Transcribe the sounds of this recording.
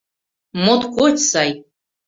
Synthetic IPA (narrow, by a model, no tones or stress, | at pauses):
mot̪kʷʰotʲsaj